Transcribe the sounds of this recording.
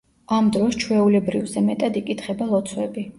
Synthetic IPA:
amd̪ɾɔst͡ʃʰwɛulɛbɾivzɛmɛt̪ʼad̪ikʼit̪ʰχɛbalˠɔt̪sʰwɛbi

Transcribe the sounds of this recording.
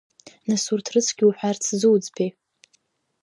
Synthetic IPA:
nasurtʰrɨt͡sʰɡʲiuħʷᶣart͡sʰzɨwd͡zpʰe

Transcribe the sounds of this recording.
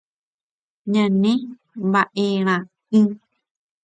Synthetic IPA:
ɲãnẽ | mbaʔeɾ̃ã | ɨ̃

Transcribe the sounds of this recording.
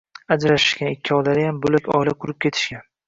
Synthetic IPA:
ad͡ʒɾaʃɪ̥ʃkʲanɪkʲːɪɒd̪aɾɪjambolakʲɒ̰jlaqʰʊɾɪp̚kʲʰe̞t̪ʰɪ̥ʃkʲan

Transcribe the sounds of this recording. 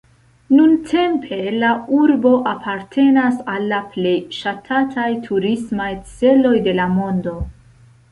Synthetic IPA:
nuntʰe̞mpʰe̞lauɾbo̞ʔapʰaɾtʰe̞nasalːaple̞jʃatʰatʰajtʰuɾismajt͡se̞lo̞jde̞lamo̞ndo̞

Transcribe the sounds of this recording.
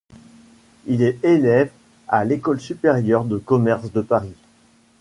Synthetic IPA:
ilɛelɛv | alekɔlsypeʁjœʁd̪əkɔmɛʁsd̪əpaʁi

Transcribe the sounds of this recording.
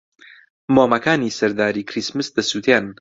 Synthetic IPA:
moːmɐkaːnisɐɾd̪aːɾiːkʰɾismɨsd̪ɐsuːt̪ʰen

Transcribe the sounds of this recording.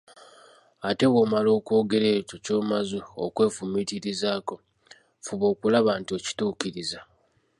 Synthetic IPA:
ate̞βoːmalo̞ːkwo̞ːɡe̞ɾe̞ːtoco̞ːmazuo̰kwe̞ːfumitiɾizaːko̞ | fuβo̞ːkulaβantio̞ci̥tuːkiɾiza

